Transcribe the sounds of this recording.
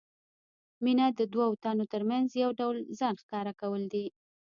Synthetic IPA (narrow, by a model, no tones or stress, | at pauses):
minad̪əd̪wawt̪ɑnot̪əɾmanzjawɖawlzɑnxkɑɾakawəld̪i